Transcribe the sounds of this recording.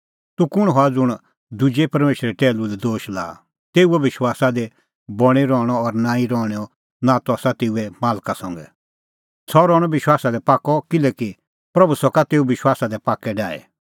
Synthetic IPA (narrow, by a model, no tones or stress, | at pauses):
t̪ukʊɽ̃ɦɔad͡zʊɽ̃ | d̪ud͡ʒepɐɾmeːʃɾɛʈɛːlulɛd̪oːʃla̰ː | t̪eːuɛbɪʃwaːsad̪ɛ | bɔɽ̃iɾɔːɽ̃ɔːɾnãːĩɾɔːɽ̃ɛɔ | nat̪uasat̪eːuɛmaːlkasɔ̃ŋɡɛ̰ | sɔɾɔːɽ̃ɔbɪʃwaːsad̪ɛpaːkːɔkɪlɛki | pɾɐbusɔkat̪eːubɪʃwaːsad̪ɛpaːkːɛɖaːɛ̰